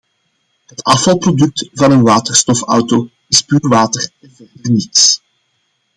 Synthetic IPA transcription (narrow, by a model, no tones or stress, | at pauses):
ɦətɑfɑlˠprodʏk̚tvɑnənʋaːtərstɔfʌ̰wto | ɪspyːrʋaːtərɛnvɛrdərnits